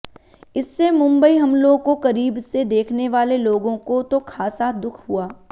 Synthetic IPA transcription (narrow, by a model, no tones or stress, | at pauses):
ɪsːemʊ̃mbəiɦɐmloːɡkokɐɾiːbsed̪eːkʰneʋaːleloːɡõkot̪okʰaːsad̪ʊkʰɦuaː